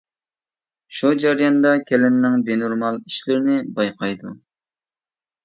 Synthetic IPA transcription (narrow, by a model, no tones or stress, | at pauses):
ʃud͡ʒɑɾijɑnd̪ɑkʲʰɛlɪnːɪŋbenuɾmɑlˠiʃlɪɾnɪbɑjqʰɑjd̪u